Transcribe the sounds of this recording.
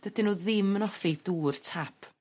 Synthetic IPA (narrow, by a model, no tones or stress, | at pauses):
d̥ədɪnuːðɪmənɔfid̥uːrtʰapʰ